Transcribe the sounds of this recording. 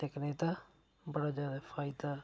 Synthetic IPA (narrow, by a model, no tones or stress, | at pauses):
ekneːt̪aː | bəɽaːd͡ʒjaːd̪aːfʰaːɪd̪aː